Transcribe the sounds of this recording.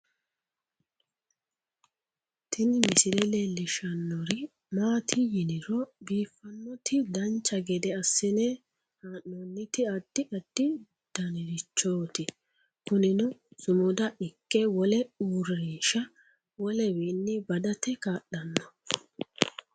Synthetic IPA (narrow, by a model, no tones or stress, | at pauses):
t̪ʰɪnɪmɪsɪɾɛlelɪʃɐnːɔɾɪ | maːt̪ʰɪjɪnɪɾɔbiːfːɐnːɔt̪ɪd̪ɐnt͡ʃːɐɡɛd̪ɛɐsːɪneː | haːnːonːɪt̪ɪɐd̪̥ːɪʔɐd̪̥ːɪ | d̪̥ɐnɪɾɪt͡ʃːoːt̪ɪ | kʊnɪnʊsʊmʊd̪ɐʔɪkːɛwɔlɛuːɾːiːʃɐ | wɔlɛweːnːɪbɐd̪ɐt̪ɛkaːʔɐnːɔ